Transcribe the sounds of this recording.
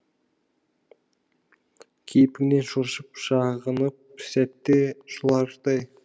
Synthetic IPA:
kʲʰejpɪɡne̞nʃʊʃəp̚ʃɑʁənəp̚sæt̪ːeʃʊlˠɑɾt̪ɑj

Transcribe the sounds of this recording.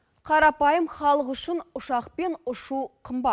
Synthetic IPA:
qʰɑɾɑpɑjəmχɑlˠəqʏʃɪnʊʃɑqpe̞nʊʃuqʰəmbɑt̪

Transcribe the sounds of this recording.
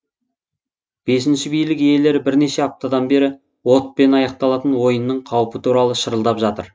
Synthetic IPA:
b̥e̞sɪnʃɪbijlɪkje̞le̞ɾɪbɪɾne̞ʃe̞ɑp̚t̪ɑd̪ɑnbe̞ɾɪ | wo̞t̪̚pe̞nɑjɑq̚t̪ɑlˠɑt̪ənwo̞jənːəɴqʰɑwəpət̪ʰuɾɑlˠəʃəɾəlˠd̪ɑpʒɑt̪ə̰ɾ

